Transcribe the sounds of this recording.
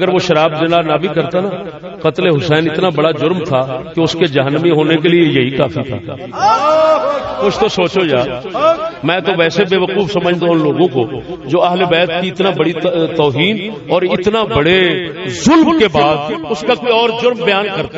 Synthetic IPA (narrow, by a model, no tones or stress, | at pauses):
ɐɡəɾʋoʃɐɾaːbd͡ʒɐnaːɾnabʱikɐɾt̪ana | qɐt̪leɦʊsɛːnɪt̪nabɐɽad͡ʒʊɾmt̪ʰakeʊsked͡ʒɐɦənːəmiɦoːnekeliejɐɦikaːfit̪ʰa̰ː | kʊt͡ʃʰt̪osoːt͡ʃod͡ʒaː | mɛ̃ːt̪oʋɛːsebeːʋəquːfsɐməd͡ʒʱd̪onloːɡõkod͡ʒoːɐɦlebɛːt̪kiɪt̪nabɐɽit̪ɔːɦiːn | ɔːɾɪt̪nabɐɽezʊlmkebaːd̪ʊskakoiɔːɾd͡ʒʊɾmbɐjaːnkɐɾt̪a